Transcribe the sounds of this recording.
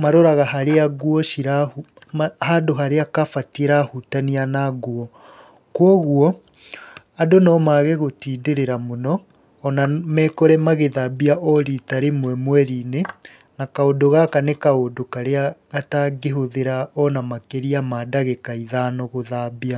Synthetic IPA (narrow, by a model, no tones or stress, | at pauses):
maɾoɾaɣaɦaɾeaɣwɔʃiɾau | hadoɦaɾeakafateɾahutanianaɡuɔ | kwɔɣwɔ | adonɔmaɣeɣotiːdeɾeɾamonɔː | namɛkɔɾɛmaɣeðabiaʔɔɾitaɾemwɛmwɛɾine | nakaodoɣakanekaodokaɾeaɣataɡeɦoðeɾaɔnamakeɾiamadaɣekaiðanɔɣoðabia